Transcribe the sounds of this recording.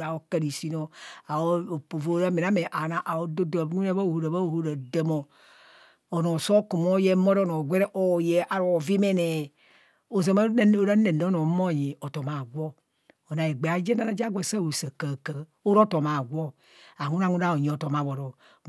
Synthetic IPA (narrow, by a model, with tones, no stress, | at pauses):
a˨o˦ka˦ɾi˨si˦no˨a˨o˦o˨po˨vo˦ɾa˦me˨na˦me˨ʔa˨na˨ʔa˨o˦do˦do˨˦ŋu˦ne˦ba˦˨hu˨ɾa˨ba˦o˨ho˦ɾa˨da˦mo˨ | o˨no˨so˦ku˨mo˦je˦mo˦ɾo˦no˨ɡʷe˦ɾe˦ʔo˦je˨ʔa˨ɾo˨vi˦me˦ne˨ | o˨za˨m˦o˦ɾa˦ne˨n˦o˦no˨˦mo˦˨ji˨o˨to˨ma˨ɡʷo˦ | o˨na˨e˨ɡ͡be˨a˨˦d͡ʒe˦na˦na˨d͡ʒa˦ɡʷe˨sa˦wo˨sa˨ka˨ka˨ | o˦ɾo˦to˨ma˨ɡʷo˦ | a˨ŋu˦na˦˨ŋu˦na˦˨o˨ɲi˨o˨to˨ma˨βo˨ɾo˨